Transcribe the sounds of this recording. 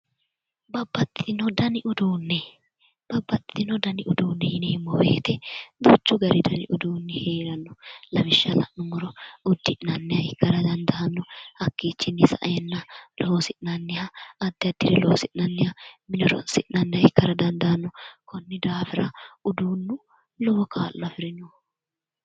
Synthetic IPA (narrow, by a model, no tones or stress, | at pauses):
bɐbːɐt̪ːɪ̥t̪ɪnɔd̪ɐnɪʔʊd̪uːnːɛ | b̥ɐbːɐt̪ːɪt̪ɪnɔd̪ɐnɪʔʊd̪uːnːɛjɪnɛɪmːowḛːt̪ɛd̪ʊt͡ʃːʊɡɐɾɪd̪ɐnɪʔʊd̪uːnːɛheːɾɐnːɔlɐmɪʃːɐlɐ̰ʔnʊmɔɾɔʊd̪ːɪʔnɐnːɛhɐɪkːɐɾɐd̪ɐnd̪ɐɐnːɔhɐkːiːt͡ʃːɪnːɪsɐ̰ʔɐjɛnːɐlɔɔsɪʔnɐnːɪhɐːd̪ːɪɐd̪ːɪɾɛlɔɔsɪʔnɐnːɪhɐmɪnɔɾɔnsɪʔnɐnːɪhɐɪkːɐɾɐd̪ɐnd̪ɐɐnːɔkɔnːɪd̪aːfɪɾɐʊd̪uːnːʊ | lɔwɔkʰaːlːɐfɪɾɪnɔ